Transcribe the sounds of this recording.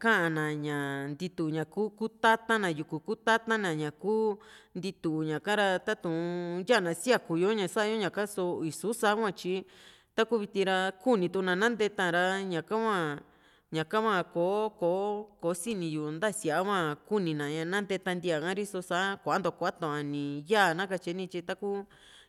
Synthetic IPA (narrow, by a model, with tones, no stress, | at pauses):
kã˦ʔã˧˨nã˨ɲã˨nd̪i˧t̪u˧˨ɲã˨kuː˦ku˦t̪a˦t̪ã˦nã˨ju˧˨ku˨ku˦t̪a˦t̪ã˦nã˨ɲã˨kuː˦nd̪i˧t̪u˨ɲã˨kã˦ɾa˧t̪a˦t̪ũ˨˧ja˦˨nã˨˧si˦a˦˧˨ku˧jo˦ɲã˧˨sa˦ʔa˦jo˦ɲã˨ka˦so˧i˨˧su˦sa˧˦kʷã˦˧˨t͡ʃi˧˦ | t̪a˦ku˦βi˧t̪ĩ˧ɾa˧ku˦nĩ˧t̪u˧nã˧nã˦nd̪e˧t̪ã˧˨˧ɾa˧ɲã˨kã˦kʷã˦˧˨ | ɲã˨kã˦kʷã˧˨ko˨˦ko˨˦ko˨˦si˦nĩ˧ju˨˧nd̪a˦˨si˧a˨a˦kʷã˦˧ku˦nĩ˧nã˨ɲã˧nã˦nd̪e˧t̪ã˧nd̪i˧a˨kã˦ɾi˦so˧sa˧˦kʷnd̪o˨kʷa˦t̪õ˧˨ʔa˧nĩ˨ja˦˨nã˦ka˧t͡ʃi˧˦nĩ˧t͡ʃi˧t̪a˦ku˦